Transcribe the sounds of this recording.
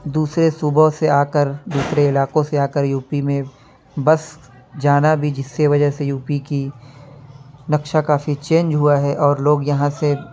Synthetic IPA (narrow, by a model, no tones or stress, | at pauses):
d̪uːsɾesʊboseaːkəɾd̪uːsɾeɪlaːqõseaːkəɾjuːpimẽ | bɐs | d͡ʒaːnabʱid͡ʒɪsːeʋɐd͡ʒəsejuːpiki | nɐkʃakaːfit͡ʃẽːnd͡ʒɦʊaɦɛʔɔːɾloːɡjɐɦãse